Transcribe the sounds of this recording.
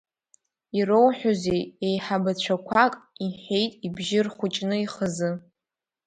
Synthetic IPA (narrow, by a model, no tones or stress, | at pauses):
irowħᶣozejejħabat͡ɕʷʰakʷʰakʼiħejtʼibʒɪrχχʷʊt͡ʃʼnɨiχəzɨ